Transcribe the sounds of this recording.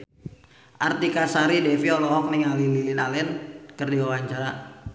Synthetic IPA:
ʔart̪ikasaɾidɛfiɔlɔɦɔk̚niŋalililɪnalɛnkərdiwawaɲt͡ʃaɾa

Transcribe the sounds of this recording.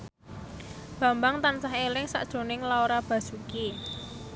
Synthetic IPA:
b̥ä̤mbaŋt̪ansaɦelɪŋsa̰ʔd̥ʒ̥o̤nɪŋlaoɾab̥ä̤suki

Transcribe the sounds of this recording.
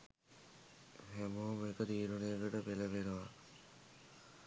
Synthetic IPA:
ɦemomekəd̪iːɾunejəkəʈəpeləʋenuʋa

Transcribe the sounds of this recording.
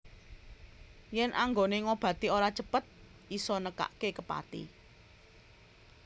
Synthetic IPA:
jɛnʔaŋɡoneŋob̥ä̤t̪ioɾat͡ʃəpət̪̚ | isɔnəka̰ʔkekəpa̰t̪ḭ

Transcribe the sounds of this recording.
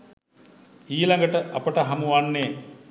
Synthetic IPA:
iːlaŋɡəʈəʔapəʈəɦamuʋanːeː

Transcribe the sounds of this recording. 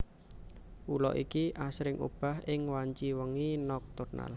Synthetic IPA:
ʔulɔ̰ʔikiʔasɾɪŋʔṵb̥a̤hɪŋwaɲt͡ʃiwəŋinɔk̚t̪urna̰l

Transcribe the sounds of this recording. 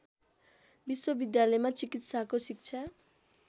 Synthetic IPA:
bisːobid̪jalɔjmat͡ɕikit̪ʃakosikt͡ɕʰa

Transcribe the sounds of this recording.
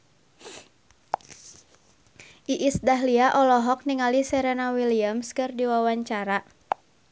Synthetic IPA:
ʔiʔisdaɦliaʔɔlɔɦɔk̚niŋalisɛɾɛnawiliamskɨrdiwawaɲt͡ʃaɾa

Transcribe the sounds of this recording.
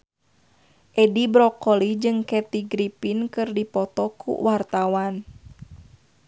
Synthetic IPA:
ʔɛdibɾɔkɔlid͡ʒɨŋkɛt̪iɡɾipinkɨrdipɔt̪ɔkʰṵwʔart̪awan

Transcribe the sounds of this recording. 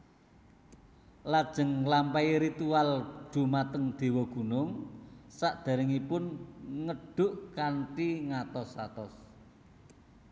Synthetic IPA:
lad̥ʒ̥ə̤ŋlampaiɾit̪uald̪̥ṳmat̪əŋd̪̥e̤wɔɡ̥ṳnʊŋsaʔd̪̥a̤ɾɪŋipʊnŋəɖ̥ʊ̤ʔkanʈiŋat̪ɔsat̪ɔs

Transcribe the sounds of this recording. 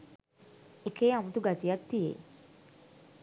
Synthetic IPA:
ekeːamut̪uɡat̪ijat̪ːijḛ

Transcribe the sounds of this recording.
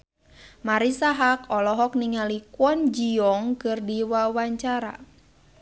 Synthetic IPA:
maɾisaɦakɔlɔɦɔk̚niŋalikwɔnd͡ʒiɔŋkɨrdiwawaɲt͡ʃaɾa̰

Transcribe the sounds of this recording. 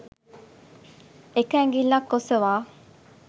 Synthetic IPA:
ekæŋɡilːakːosɐʋaː

